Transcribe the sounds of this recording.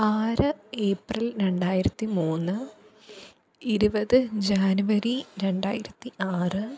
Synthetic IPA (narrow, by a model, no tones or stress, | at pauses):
aːɾɨeːprilɾe̞ɳɖaːjiɾɐt̪ːimuːnːɨ | iɾubɐðɨd͡ʑaːnuʋɐɾiɾe̞ɳɖaːjiɾɐt̪ːiʔaːrɨ